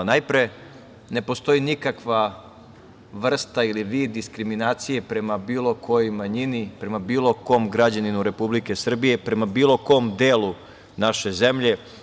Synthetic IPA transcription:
najpɾe | ne̞po̞st̪o̞inikakʋa | ʋr̩st̪ailiʋiːd̪ːiskɾiminaːt̪sije̞pɾe̞mabiːlˠo̞kʰo̞jojmaɲinipɾe̞mabiːlˠo̞ko̞ːmɡɾad͡ʑaninuɾe̞publike̞sr̩bije̞pɾe̞mabiːlˠo̞ko̞md̪eːlu | naʃe̞ze̞mʎe̞

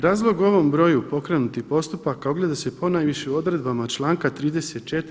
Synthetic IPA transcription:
ɾaːzlˠo̞ɡuo̞ʋo̞mbɾo̞jupo̞kɾe̞nut̪ihpo̞st̪upakaoɡle̞d̪ase̞po̞najʋiʃeuo̞d̪ɾe̞d̪bamat͡ʃlˠaːŋkat̪ɾiːd̪e̞se̞t̪̚t͡ʃe̞t̪

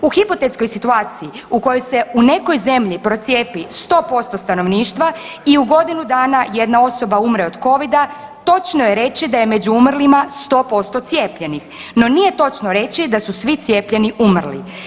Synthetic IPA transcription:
uxipot̪et̪sko̞jsit̪uaːt̪siː | uko̞jojse̞une̞ko̞jze̞mʎipɾo̞t̪sje̞ːpist̪o̞ːpo̞st̪o̞st̪ano̞ʋniːʃt̪ʋa | iuɡo̞d̪inud̪aːnaje̞d̪nao̞so̞baumɾeod̪ko̞ʋid̪a | t̪o̞t͡ʃnojeɾe̞t͡ɕid̪aje̞me̞d͡ʑuumr̩limast̪o̞ːpo̞st̪o̞t̪sje̞ːpʎe̞nixno̞nije̞t̪o̞t͡ʃnoɾe̞t͡ʃid̪asusʋit̪sʲje̞ːpʎe̞niʔumrlḭ

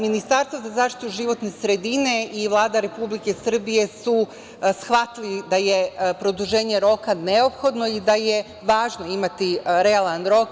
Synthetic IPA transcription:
minist̪aɾst̪ʋozazaːʃt̪i̥t̪uʒiʋo̞t̪ne̞sɾe̞d̪ine̞iʋlˠaːd̪aɾe̞publike̞sr̩bije̞su | sxʋat̪lid̪aje̞pɾo̞d̪uʒe̞ːɲe̞ɾo̞kane̞o̞pxo̞d̪no̞id̪aje̞ | ʋaːʒno̞imat̪iɾe̞alanɾo̞k

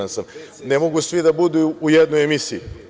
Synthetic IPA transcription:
ansam | nemoɡusʋid̪abud̪uujed̪nojemisijḭ

